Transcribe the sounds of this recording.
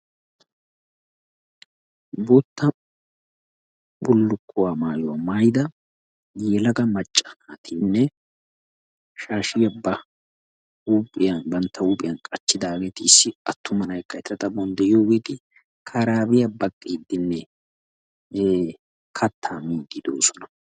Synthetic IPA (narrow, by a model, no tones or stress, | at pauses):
buːt̪ːɐ | bʊlːʊkʰːʊwaːmaːjɔwɐmajd̪ɐ | jeːlɐɡɐmɐt͡ʃʼːɐ̥at̪ʰinːɛ | ʃaːʃɪjɐbːɐ | uːpʼːɪjɐnbɐnt̪ʰːɐuːpʼɪjɐnkʼɐt͡ʃːɪd̪aːɡeːt̪ɪɪsːɪɐt̪ʰːʊmɐnɐjkːɐɛt̪ːɐt̪ɐbɔnd̪ɛʔɪjo̞ːɡeːt̪ɪ | kʰɐɾaːbɪjɐbɐkʼːiːd̪ːɪnːɛ | kʰɐt̪ʰːaːmiːɡ̪ɪd̪oːsɔnɐ